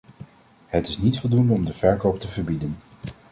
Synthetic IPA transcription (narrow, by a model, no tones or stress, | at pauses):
ɦətɪ̥snitfɔlˠdundəɔmdəvɛɹkowp̚təvəɹbidən